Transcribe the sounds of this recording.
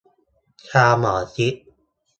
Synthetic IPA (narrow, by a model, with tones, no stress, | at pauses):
kʰaː˧maː˨˩˦si˦˥ʔ̚